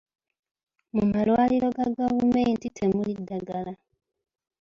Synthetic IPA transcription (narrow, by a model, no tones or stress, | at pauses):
mumalwaːliɾo̞ɡaɡavumentitʰe̞mulidːaɡala